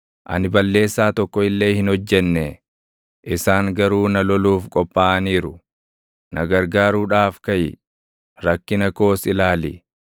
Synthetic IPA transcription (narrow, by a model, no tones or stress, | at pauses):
ʔɐ̰nɪbɐlːe̞ːsːaːt̪ɔkːɔɪlːe̞ːhɪnɔd͡ʒːɛnːɛ | ʔɪsaːŋɡɐɾuːnɐlɔluːfkʼɔpʼːaːʔɐniːɾʊ | nʔɐɡɐɾɡaːɾuːᶑaːfkɐjɪ̰ | ɾɐkːɪnɐko̞ːsɪlaːlɪ̰